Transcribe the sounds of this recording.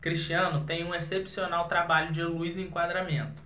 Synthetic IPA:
kɾiʃt͡ʃiɐ̃nʊt̪ẽj̃ũesepsionawt̪ɾabaʎʊd͡ʒɪɐ̃luizɪẽŋkwad̪ɾamẽnt̪ʊ̥

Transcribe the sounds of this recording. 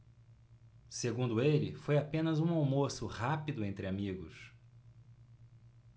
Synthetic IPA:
seɡũnd̪ʊelɪfojapẽnɐzũawmosʊhapid̪ʊẽnt̪ɾɪamiɡʊ̰s

